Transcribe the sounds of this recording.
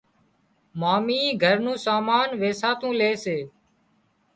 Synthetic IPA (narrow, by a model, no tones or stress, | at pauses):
maːmĩːɡʱəɾnũːsaːmaːnʋeːsaːt̪ũːleːseː